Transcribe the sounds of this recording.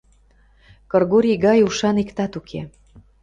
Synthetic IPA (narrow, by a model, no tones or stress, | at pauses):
kɤrɣoɾʲiɣɑjuʃɑnikt̪ɑt̪ukʰḛ